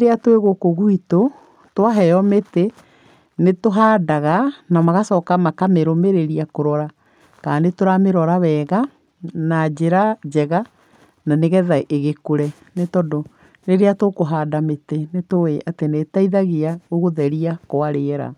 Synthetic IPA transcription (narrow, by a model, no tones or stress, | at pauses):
ɾeatweɣokoɣwito | twaɦɛjɔmete | netoɦaːdaɣanamaɣasɔːkamakameɾomeɾeɾiakoɾɔɾa | kaːnetoɾameɾɔɾaβɛːɣa | nad͡ʑeɾad͡ʑɛɣa | naneɣɛðaʔeɣekoɾɛ | netɔdo | neɾeatokoɦaːdametenetoeʔatenetaiðaɣeaoɣoðɛɾiakoaɾeɛɾa̰